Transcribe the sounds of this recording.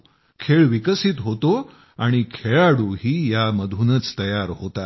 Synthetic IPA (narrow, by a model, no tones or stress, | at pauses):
kʰeɭʋikəsit̪ɦot̪o | aɽ̃ikʰeɭaɽuɦiːjaməd̪ʱunət͡st̪əjaɾɦot̪a